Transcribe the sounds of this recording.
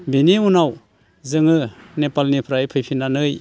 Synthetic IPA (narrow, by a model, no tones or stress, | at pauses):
biniunaw | zɯŋɯnepalnipʰɾajpʰɯjpʰinanɯj